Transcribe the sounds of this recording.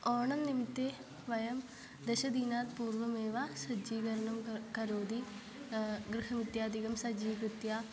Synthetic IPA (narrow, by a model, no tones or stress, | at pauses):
ɔːɳɐnnimt̪e | ʋɐjɐm | d̪ɐʃɐd̪iːnaːt̪puːɾʋɐmeːʋaːsɐd͡ʒiːɡɐɾɐɳɐmkɐɾoːd̪i | ɡɾɪɦɐmit̪jaːd̪ʱiɡɐmsɐd͡ʒiːkɾɨt̪jaː